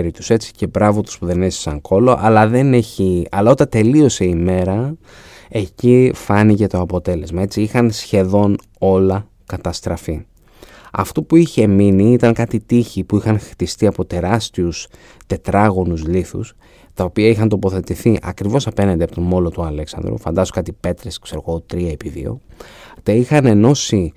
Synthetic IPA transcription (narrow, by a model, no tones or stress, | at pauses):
ɾit̪u̥se̞t͡si̥ce̞bɾɐvot̪u̥spuðe̞nesi̥sɐŋko̞lo̞ʔɐlɐðe̞ne̞çiɐlɐo̞t̪ɐt̪e̞lio̞se̞ime̞ɾɐ | e̞cifɐnice̞t̪o̞ɐpo̞t̪e̞le̞zmɐe̞t͡siixɐnsçe̞ðo̞n | o̞lɐ | kɐt̪ɐst̪ɾɐfi | ɐ̰ft̪opuiçe̞miniit̪ɐŋkɐt̪it̪içipuixɐnxt̪ist̪iɐpo̞t̪e̞ɾɐst̪ius | t̪e̞t̪ɾɐɣo̞nuzliθṵs | t̪ɐo̞piɐixɐnt̪o̞po̞θe̞t̪iθiʔɐ̰kɾivo̞sɐpe̞nɐnd̪eɐpot̪o̞mo̞lo̞t̪uɐle̞ksɐ̰nd̪ɾṵfɐnd̪ɐzokɐt̪ipe̞t̪ɾeskse̞ɾoɣo̞t̪ɾiɐepiðḭo̞̰t̪eixɐne̞no̞si